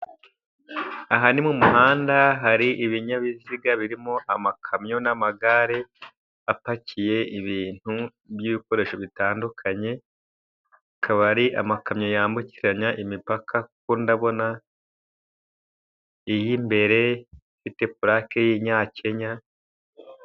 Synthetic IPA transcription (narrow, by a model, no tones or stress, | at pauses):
aɦanimumuɦaːndaɦaɾiʔiβiɲaβiziɡaβiɾimo̞ʔamakʰamɲo̞namaɡaɾe̞ | apacije̞iβiːn̥hu | βjiβiko̞ɾe̞ːʃoβitaːndukʰaɲe̞ | kʰaβaɾiʔa̰makamɲo̞jaːmbuciɾaɲaʔimipakʰak̚undaβo̞na | ijimbe̞ɾe̞ifite̞puɾakejiɲaːce̞ɲa